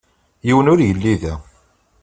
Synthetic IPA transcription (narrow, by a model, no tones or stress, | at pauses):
jiwənʊɾjəlːiðæ